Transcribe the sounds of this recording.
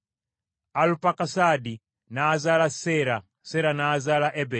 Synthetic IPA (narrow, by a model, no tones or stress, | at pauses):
alupakasadi | naːzalasɛɾa | sɛɾanaːzalaʔɛbɛ